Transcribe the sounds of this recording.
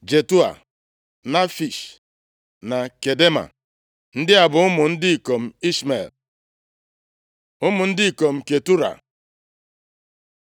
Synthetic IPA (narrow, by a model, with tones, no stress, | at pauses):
d͡ʒe˨tu˦a̰˨ | na˦fi˨ʃ | na˨ke˨de˦ma̰˨ | n̩˦dɪ˦a˨bʊ˨˦ʊ˦mʊ˨n̩˦dɪ˦i˨ko˨m̩˨i˦sme˨l | ʊ˦mʊ˨n̩˦dɪ˦i˨ko˨m̩˨ke˨tu˦ɾa̰˨